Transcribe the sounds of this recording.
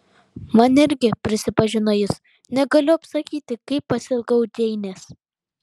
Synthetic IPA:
mɐnɪɾʲɡʲɪpʲɾʲɪsʲɪpɐʒʲɪnojɪs | nʲɛɡɐlʲʊɐpsɐkʲiːt̪ʲɪkɐɪpːɐsʲɪlˠɡɐʊd̪ʲɛɪnʲeːs

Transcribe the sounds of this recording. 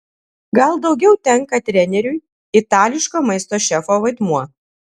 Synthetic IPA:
ɡɐlˠd̪ɒʊɡʲɛʊt̪ʲɛŋkɐt̪ʲɾʲɛnʲɛɾʲʊj | ɪt̪ɑːlʲɪʃkoːmɐɪst̪oːʃʲɛfoːʋɐɪd̪muɔ

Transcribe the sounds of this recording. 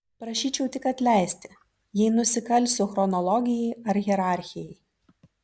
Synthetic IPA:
pɾɐʃʲiːt͡ʃʲɛʊt̪ʲɪkɐt̪ʲlʲæˑɪsʲt̪ʲɪ̥ | jɛɪnʊsʲɪkɐlʲˑsʲuxɾɔnɔlˠɔɡʲɪjɛɪɐɾɣʲɛɾɑˑɾʲxʲɪjɛɪ

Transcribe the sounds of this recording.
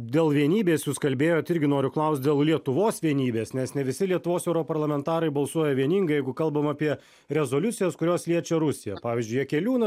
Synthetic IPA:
d̪ʲeːlˠʋʲiɛnʲiːbʲeːsjʊskɐlʲbʲeːjoːt̪ɪɾʲɡʲɪnoːɾʲʊklˠɐʊst̪̚ʲd̪ʲeːlˠlʲiɛt̪ʊʋoːsʋʲiɛnʲiːbʲeːsnʲɛsnʲɛʋʲɪsʲɪlʲiɛt̪ʊʋoːsɛʊɾɔpɐɾlˠɐmʲɛnt̪ɑːɾɐɪbɐlˠsuɔjɛʋʲiɛnʲiːŋɡɐɪjɛɪɡʊkɐlˠbɐmɑpʲiɛ | ɾʲɛzoːlʲʊt̪sʲɪjɛskʊɾʲoːslʲiɛt͡ʃʲɛɾʊsʲɪjɛpɑːʋʲiːzʲd͡ʒʊɪjiɛkʲɛlʲuːnɐ

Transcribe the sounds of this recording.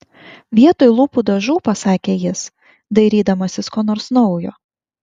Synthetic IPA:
ʋʲiɛt̪oːjlˠuːpud̪ɐʒuːpɐsɑːkʲeːjɪs | d̪ɐɪɾʲiːd̪ɐmɐsʲɪskoːnoːɾsnɔʊjoː

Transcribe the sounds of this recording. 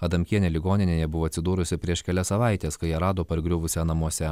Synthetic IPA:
ɐd̪ɐmʲkʲiɛnʲeːlʲɪɡoːnʲɪnʲeːjɛbʊʋoːɐt̪sʲɪd̪uːɾʊsʲɪpʲɾʲiɛʃkʲɛlʲɛsɐʋɑˑɪt̪ʲeːskɐɪjɛɾɑːd̪oːpɐɾʲɡɾʲʊʋʊsʲɛnɐmuɔsʲɛ

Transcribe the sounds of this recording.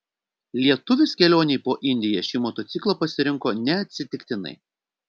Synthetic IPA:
lʲiɛt̪ʊʋʲɪskʲɛlʲoːnʲɛɪpoːʔɪnʲd̪ʲɪjɛːʃʲiːmɔːt̪ɔt̪sʲɪklˠɐpɐsʲɪɾʲɪŋkoːnʲɛɐt̪ʲsʲɪt̪ʲɪkt̪ʲɪnɐ̰ɪ

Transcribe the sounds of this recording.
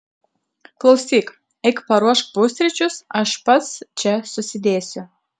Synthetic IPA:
klˠɐʊsʲiːk | ɛɪkpɐɾuɔʃpuːsʲɾʲɛt͡ʃʲʊsɐʃpɐt̪st͡ʃʲɛsʊsʲɪd̪ʲeːsʲʊ

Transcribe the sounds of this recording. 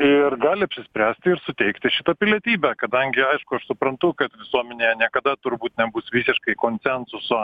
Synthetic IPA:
ɪrɡɑːlʲɪɐpʲsʲɪsʲpʲɾʲæːsʲt̪ʲɪɪɾsʊt̪ʲɛɪkt̪ʲɪʃʲɪt̪ɐpʲɪlʲiɛt̪ʲiːbʲɛkɐd̪ɐŋʲɡʲɪɐɪʃkʊɐʃsʊpɾɐnt̪ʊkɐt̪ʋʲɪsuɔmʲɛnʲeːjɛnʲiɛkɐd̪ɐt̪ʊɾbuːt̪nʲɛbuːsʋʲiːsʲɪʃkɐɪkoːnʲsʲɛnsʊsoː

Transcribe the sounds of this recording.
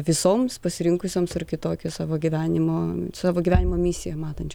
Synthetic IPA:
ʋʲɪsoːmspɐsʲɪɾʲɪŋkʊsʲoːmsɐrkʲɪt̪oːkʲʊsɑːʋoːɡʲiʋʲæːnʲɪmoːsɑːʋoːɡʲiʋʲæːnʲɪmoːmʲɪsʲɪjɛmɑːt̪ɐnʲt͡ʃʲ

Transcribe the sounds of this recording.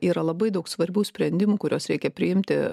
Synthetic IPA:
iːɾɐlˠɐbɐɪd̪ɐʊksʋɐɾʲbʲuːsʲpʲɾʲɛnʲd̪ʲɪmuːkʊɾʲoːsɾʲɛɪkʲɛpʲɾʲɪjɪmʲt̪ʲɪ

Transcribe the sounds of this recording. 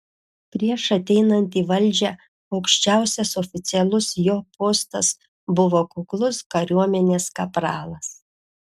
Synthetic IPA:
pʲɾʲiɛʃɐt̪ʲɛɪnɐnʲt̪ʲiːʋɐlʲˑd͡ʒʲɛ | ɐʊkʃʲt͡ʃʲæˑʊsʲɛsɔfʲɪt̪sʲɪɛlˠʊsjoːpoːst̪ɐs | bʊʋoːkʊklˠʊskɐɾʲuɔmʲɛnʲeːskɐpɾɑːlˠɐs

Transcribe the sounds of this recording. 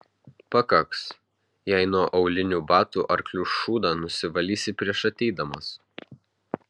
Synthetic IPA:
pɐkɐks | jɛɪnuɔʔɐʊlʲɪnʲuːbɑːt̪uʔɐɾklʲuʃuːd̪ɑːnʊsʲɪʋɐlʲiːsʲɪpʲɾʲiɛʃɐt̪ʲɛɪd̪ɐmɐs

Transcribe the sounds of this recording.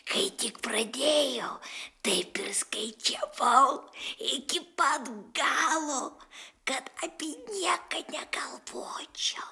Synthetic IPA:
kɐɪt̪ʲɪkprɐd̪ʲeːjot̪ɐɪpʲɪrskɐɪt͡ʃʲɛʋɐʊɪkʲɪpɐd̪ɡɑːlˠoːkɐt̪ɐpʲinʲiɛkɐnʲɛkɐlˠʋoːt͡ʃʲo

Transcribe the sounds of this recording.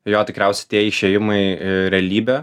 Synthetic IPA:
joːt̪ʲɪkɾʲɛˑʊsʲɛɪt̪ʲiɛɪʃʲeːjɪmɐɪɾʲɛɐlʲiːbʲɛː

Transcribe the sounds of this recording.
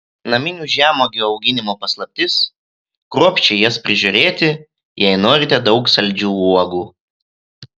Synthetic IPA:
nɐmʲɪnʲuːʒʲæːmoːɡʲɛɐʊɡʲɪnʲɪmoːpɐslˠɐp̚ʲt̪ʲɪs | kɾuɔpʲt͡ʃʲɛɪjɛspʲɾʲɪʒʲuːɾʲeːt̪ʲɪ | jɛɪnoːɾʲɪt̪ʲɛd̪ɒʊksɐlʲd͡ʒʲuːuɔɡuː

